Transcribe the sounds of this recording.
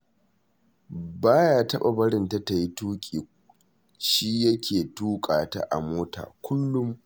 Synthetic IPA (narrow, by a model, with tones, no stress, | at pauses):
baː˦jaː˦tɐ˦ɓa˨bɐ˦ɽɪ˨nta˦ta˨ji˦tuː˦kʲʼiː˨ | ʃiː˦jɐ˦kʲʰeː˨tuː˦kʼaː˨ta̰˦ʔa̰˨moː˦ta̰ː˨kʷʰʊ˦lːʊ˦m